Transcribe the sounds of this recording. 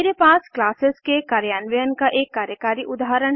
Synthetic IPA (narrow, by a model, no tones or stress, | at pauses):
ɾepaːsklaːsɪskekaːɾjaːnʋəjənkaʔeːkːaːɾjəkaːɾiʔʊd̪aːɦəɾəɳ